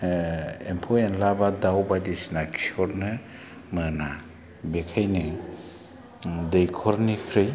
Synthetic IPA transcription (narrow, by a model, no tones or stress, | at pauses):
empʰɔenlabadawbadisnakʰi̥ɔɾnɯ | mɯna | bekʰajnɯ | dejkʰɔɾnikʰɾɯj